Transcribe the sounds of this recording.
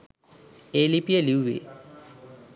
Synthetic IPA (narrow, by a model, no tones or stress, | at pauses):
eːlipijeliuʋḛ